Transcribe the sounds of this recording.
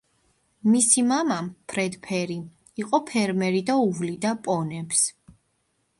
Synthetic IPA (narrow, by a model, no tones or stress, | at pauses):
misimamampʰɾɛd̪pʰɛɾi | iqʼɔpʰɛɾmɛɾid̪auvlid̪apʼɔnɛps